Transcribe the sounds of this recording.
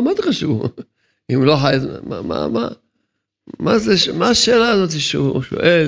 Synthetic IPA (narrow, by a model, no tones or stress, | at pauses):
mod̥̪χaʃuv | imloħajama̰ma̰ma̰ | mazeʃmaːʃeːlaːzot̪iʃeṵʃo̰ʔel